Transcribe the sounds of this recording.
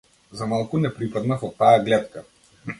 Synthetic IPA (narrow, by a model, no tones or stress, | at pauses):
zamalˠkunɛpɾipad̪nafɔt̪ːajaɡlɛt̪ka